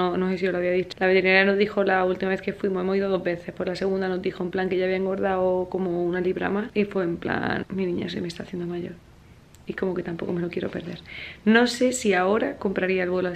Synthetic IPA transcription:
onoses̬iolaβiaðit͡ʃolaβet̪eɾinaɾjano̞zðixo̞lault̪imaβeke̞fwimo̞se̞mo̞siðoðo̞ɦβe̞θe̞hpwo̞ɾlase̞ɣund̪ano̞zðixomplaŋke̞ʝaβjaeŋɡo̞ɾðaoko̞mounaliβɾa̰maifweːmpla̰nmːinĩɲa̰sojmest̪aθje̞nd̪omaʝo̞̰ɾ | iko̞mo̞ke̞t̪ampo̞ko̞me̞lo̞kje̞ɾo̞pe̞ɾðe̞ɾno̞se̞siao̞ɾako̞mpɾaɾiaelβwe̞lo

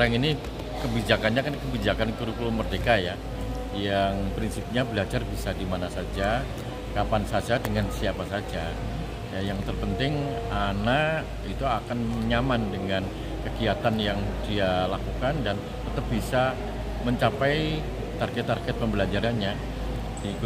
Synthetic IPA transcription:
ɾaŋini | kəbid͡ʒakanɲakankəbid͡ʒakankuɾukulumərdekaja | jaŋpɾinsɪp̚ɲabəlad͡ʒarbisadimanasad͡ʒa | kapansad͡ʒadəŋansiapasad͡ʒa | jajaŋt̪ərpənt̪ɪŋana | it̪uakanməɲamandəŋan | kəɡiat̪anjaŋdialakukandan | t̪ət̪əp̚bisa | məɲt͡ʃapaj | t̪arɡɛt̪ːarɡɛt̪̚pəmbəlad͡ʒaɾanɲa | di

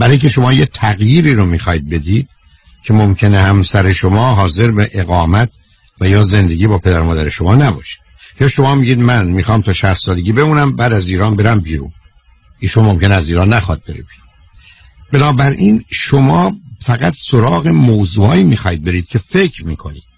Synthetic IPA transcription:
b̥æɾɒːjiŋcʲʰeʃo̞mɒːjet̪ʰæɣjiːɾiːɾomiːxɒːjid̪̚be̞d̪iːd̪̥̚ | cʰe̞momcʰe̞nehæmsæɾeʃomɒːɦɒːze̞ɾbeʔeɣɒːmæt̪̚ʰ | væjɒːze̞nd̪e̞ɡiːbɒːpʰe̞d̪æɾmɒːd̪æɾe̞ʃo̞mɒːnæbɒ̰ːʃi̥d̪̥ | jɒːʃo̞mɒːmiːɟiːd̪mænmiːxɒːmt̪ʰɒːʃæst̪sɒːle̞ɟʲiːbe̞muːnæmbæːd̪æziːɾɒːnbe̞ɾæmbiːɾṵn | iːʃonmo̞mce̞neæziːɾɒːnːæxɒːd̪̚be̞ɾḛbiːɾun | benɒːbæɾʔiːnʃomɒːfæɣæt̪soɾɒːɣemoːzuːhɒːiːmiːxɒːid̪̚be̞ɾiːd̪̥̚kcʰe̞fe̞cʰɾmiːkʰo̞̰nḭːd̪̥

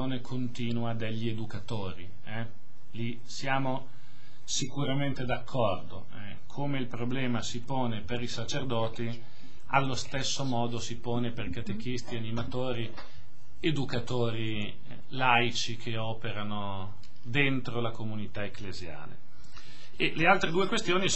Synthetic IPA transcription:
oːnekʰont̪iːnuad̪eʎːied̪ukat̪oːɾi | ɛ | li | sjaːmo | sikuɾament̪ed̪akʰːɔrd̪o̰ | ɛ | kʰomeilpɾoblɛːmasipoːnepeɾisat͡ʃerd̪ɔːt̪i | a̰lːost̪esːomɔːd̪osipoːneperkat̪ek̟ist̪ianimat̪oːɾi | ed̪ukat̪oːɾi | lajt͡ʃikʰeɔːpeɾano | d̪ent̪ɾolakomunit̪aeklezja̰ːlḛ | elealt̪ɾed̪uːekwest̪joːni

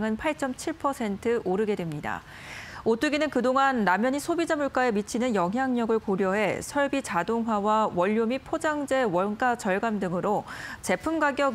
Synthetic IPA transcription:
ŋɯnpʰaɭt͡ɕ͈ʌmt͡ɕʰiɭpʰʌsʰe̞ntʰɯʔoɾɯɡe̞dwe̞mɲida̰ | ot͈ɯɡinɯnkɯdoŋanːamjʌɲisʰobid͡ʑamuɭk͈ae̞mit͡ɕʰinɯnjʌŋɦjaŋɲʌɡɯɭkoɾjʌɦe̞sʰʌɭbit͡ɕadoŋɦwawawʌʎːomipʰod͡ʑaŋd͡ʑe̞wʌnk͈at͡ɕʌɭɡamdɯŋɯɾot͡ɕe̞pʰumɡaɡjʌɡ

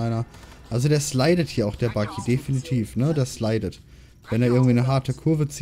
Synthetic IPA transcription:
aɪnɐʔalzodeːɐʃlaɪɾəthiːɐaʊxd̥eːɐbakʰidefinitʰiːfnədeːɐʃlaɪdət | vɛneːɐɪɐɡŋ̩tv̥iːnəɦaɐtʰəkʰʊɐvət͡s

